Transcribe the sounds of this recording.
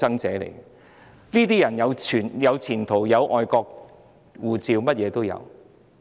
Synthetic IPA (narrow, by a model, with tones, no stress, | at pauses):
ɐ˥ŋt͡sɛː˨˥lḛ˨˩j | niː˥t̪iː˥jɐ˨˩njɐ˨˧wt͡sʰyː˨˩njɐ˨˧wt͡sʰiː˨˩nt̪ʰo˨˩wjɐ˨˧wʔɔː˧jkɔː˧k̚ | wuː˨˩t͡siː˧wmɐ˥t̚jɛː˨˧t̪o˥wjɐ̰˨˧w